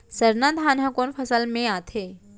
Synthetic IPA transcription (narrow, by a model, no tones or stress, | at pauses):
səɾnad̪ʱaːnɦãkonfʰəsəlmẽat̪ʰe